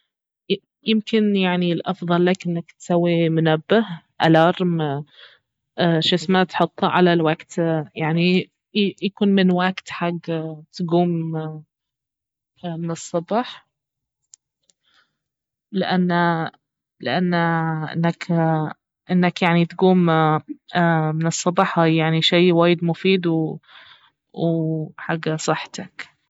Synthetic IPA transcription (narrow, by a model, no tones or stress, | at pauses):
jɪmkɪnjaʕnilʔɑfðˤɑlːakʔɪnːakt̪sawːimʊnabːah | ʔalɑɾˤm | ʃɪsmat̪ħʊt̪ˤːʕa̰lalwaɡt̪jaʕni | jakuːnmɪnwaɡt̪ħaɡːt̪ɡuːm | mɪnɨsˤːɑbħ | lɪʔanːa | lɪʔanːʔɪ̰nːak | ʔɪnːakjaʕnit̪ɡuːm | mɪnɨsˤːɑbɑħajaʕniʃiːwaːjɪd̪mʊfiːd̪w | wħaɡːasˤɨħːt̪ak